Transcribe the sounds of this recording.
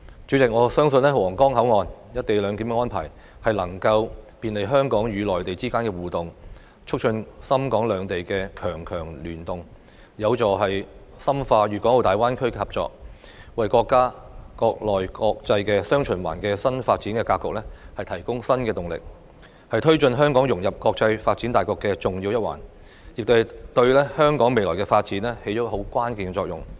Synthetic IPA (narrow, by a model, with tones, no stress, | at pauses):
t͡ʃy˨˥t͡sɪ˨k̚ŋɔː˨˧sœː˥ŋsɵ˧nlɛː˥wɔː˨˩ŋkɔː˥ŋɦɐ˨˥wŋɔː˨njɐ˥t̪̚e˨jlœː˨˧ŋkiː˨˥ŋkɛ˧ɔː˥npʰa̰ː˨˩j | hɐ˨jlɐ˨˩ŋkɐ˧wpiː˨nle˨jɦœː˥ŋkɔː˨˥ŋjyː˨˧lɔː˨˩jt̪e˨jt͡siː˥kaː˥nkɛː˧wuː˨t̪ʊ˨ŋ | t͡ʃʰʊ˥k̚t͡ʃʰɵ˧nsɐ˥mkɔː˨˥ŋlœː˨˧ŋt̪e˨jkɛː˧kʰœː˨˩ŋkʰœː˨˩ŋlyː˨˩nt̪ʊ˨ŋ | jɐ˨˧wt͡sɔː˨˩ɦɐ˨j | sɐ˥mfaː˧jyː˨kɔː˨˥ŋo˨˧t̪aː˨jwaː˥nkʰɵ˥ɥkɛː˧hɐ˨p̚t͡sɔ̰ː˨˧k̚ | wɐ˨jkɔː˧kːaː˥kɔː˧k̚lɔː˨jkɔː˧k̚t͡sɐ˧jkɛː˧sœː˥ŋt͡ʃʰɵ˨˩nwa̰ː˨˩nkɛː˧sɐ˥nfaː˧t̚t͡si˨˥nkɛː˧kaː˧kːʊ˨k̚lɛː˥hɐ˨jt̪ʰɐ˨˩jkʊ˥ŋsɐ˥nkɛː˧t̪ʊ˨˩ŋlɪ̰˨k̚ | hɐ˨jt̪ʰɵ˥ɥt͡ʃɵ˧nɦœː˥ŋkɔː˨˥ŋjʊ˨˩ŋjɐ˨p̚kɔː˧k̚t͡sɐ˧jfaː˧t̚t͡si˨˥nt̪aː˨jkɔː˧kːɛ˧t͡sʊ˨˩ŋjiː˧wjɐ˥wa̰ː˨˩n | jɪ˨k̚t̪o˥hɐ˨˩t̪ɵ˧ɥlɛ˥hœː˥ŋkɔː˨˥ŋme˨jlɔː˨˩jkɛ˧faː˧t̚t͡siː˨˥nlɛː˥he˨˥jt͡ɕɔː˨˥ho˨˥wkʷaː˥nkiː˨˧nkɛ˧t͡sɔː˧k̚jʊ̰˨˩ŋ